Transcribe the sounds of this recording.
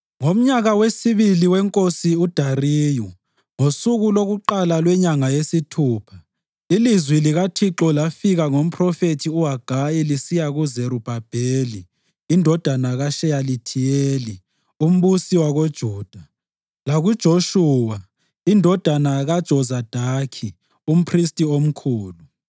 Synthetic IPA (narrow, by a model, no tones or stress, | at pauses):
ŋom̩ɲaɣawesiβiliwɛŋkʼosiud̥ʱariːju | ŋosuɣuloɣuǃalalwɛɲaŋajesitʰuːpʰḁ | ilizwiliɣatʰiǁɔlafiɣaŋom̩pʰrɔfetʰiuɦaɡ̥ʱajilisijaɣuzeɾub̥ʱab̥ʱeːliː | ndʱɔd̥ʱanaɣaʃɛjalitʰijeːli | um̩βusiwaɣod̥ʒ̥ʱuːd̥ʱa | laɣud̥ʒ̥ʱoʃuːwa | indʱɔd̥ʱanaɣad̥ʒ̥ʱɔzad̥ʱakʰi | um̩pʰristʼiom̩kʰuːlu